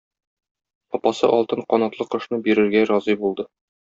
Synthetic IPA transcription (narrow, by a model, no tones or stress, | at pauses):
ɒpɑsɤ̰ʔɒlˠt̪ɤɴqɒnɑt̪lˠɤqɤ̆ʃnɤbiɾɘ̆ɾɡæɾɒzibulˠd̪ɤ